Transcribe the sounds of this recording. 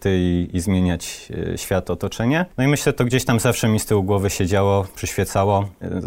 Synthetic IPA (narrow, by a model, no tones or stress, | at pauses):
t̪ɘiizmʲjeɲat͡ɕɕfʲjat̪ɔt̪ɔt͡ʂɛɲɛnɔimɘɕlɛt̪ɔɡd͡ʑeɕt̪amzafʂɛmʲist̪ɘwuɡwɔvɘɕɛd͡ʑawɔpʂɘɕfʲjɛt̪sawɔ